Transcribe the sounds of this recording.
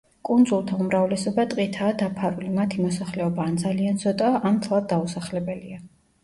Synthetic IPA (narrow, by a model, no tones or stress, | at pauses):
kʼund̪zulˠt̪ʰaumɾavlɛsɔbat̪ʼqʼit̪ʰaːd̪apʰaɾulimat̪ʰimɔsaχlɛɔbaːnd̪zaliant̪sʰɔt̪ʼaʔːmt̪ʰlˠad̪̚ːausaχlɛbɛlia